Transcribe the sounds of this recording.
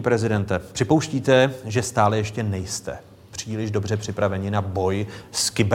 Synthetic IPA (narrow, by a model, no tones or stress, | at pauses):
pɾɛzɪdɛnt̪ɛpr̥ɪpo̞wʃciːt̪ɛʒɛst̪aːlɛjɛʃcɛnɛjst̪ɛ̰ | pr̝̥iːlɪʒdo̞br̝ɛpr̝̥ɪpɾavɛɲɪnabo̞jskɪb